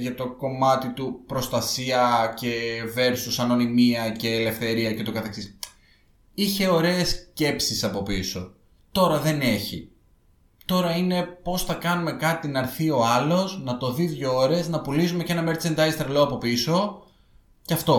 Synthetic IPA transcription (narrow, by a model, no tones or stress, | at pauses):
ʝɐt̪o̞ko̞mɐt̪it̪upɾo̞st̪ɐsiɐce̞ve̞ɾsusɐno̞nimiɐce̞ːle̞fθe̞ɾiɐce̞t̪o̞kɐθeksis | içe̞o̞ɾe̞ːsce̞psisɐpo̞piso̞ | t̪o̞ɾɐðe̞ne̞çḭ | t̪o̞ɾɐine̞po̞sθɐkɐnume̞kɐt̪inɐɾθio̞ɐlo̞snɐt̪o̞ðiðʝooɾe̞znɐpulisume̞ce̞nɐmeɾt͡send̪ɐist̪ɾeloɐpo̞piso̞ | cɐft̪o̞